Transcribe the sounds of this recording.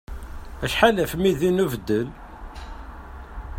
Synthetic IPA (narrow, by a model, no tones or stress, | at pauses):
æʃħalæfmiðinuvəd̪ːəl